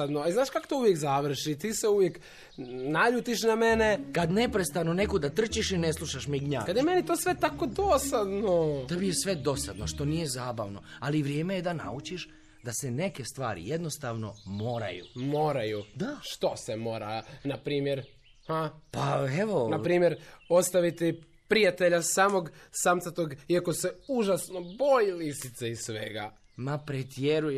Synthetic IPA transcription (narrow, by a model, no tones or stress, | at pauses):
ad̪noaznaːʃkako̥t̪ouʋjekzaʋr̩ʃit̪iːseuʋjek | naʎut̪iʃ̬namenekad̪nepɾest̪ano̞ne̞kod̪at̪r̩t͡ʃiʃineslˠuʃaʃmiɡɲa̰ːkad̪jemenit̪oːsʋet̪akod̪osad̪not̪ebijesʋe̞d̪o̞sad̪noʃt̪o̞nije̞zaːba̰ʋno̞aliʋɾjeːmejed̪ana̰ut͡ʃiʃ | d̪asene̞ke̞st̪ʋa̰ːɾḭjed̪no̞st̪aʋno̞̰mo̞ːɾa̰jṵmoːɾajud̪aʃt̪o̞semo̞ːɾanapɾiːmjeɾ | hapaeʋo̞napɾiːmjeɾo̞st̪aʋit̪i | pɾijat̪eʎasaːmoɡsamt̪sat̪oɡiako̞seuʒasnobojilisit̪seissʋeɡa | mapɾet̪jeɾuj